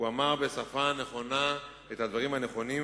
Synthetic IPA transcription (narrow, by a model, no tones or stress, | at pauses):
uamaʁbe̞safane̞χo̞na | et̪had̪vaʁimhane̞χo̞ni